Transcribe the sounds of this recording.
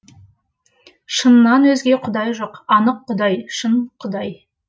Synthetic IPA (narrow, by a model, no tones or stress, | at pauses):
ʃənːɑnwɵzɡʲe̞qʰʊd̪ɑjʒoqɑnəqːʊd̪ɑjʃənqʰʊd̪ɑj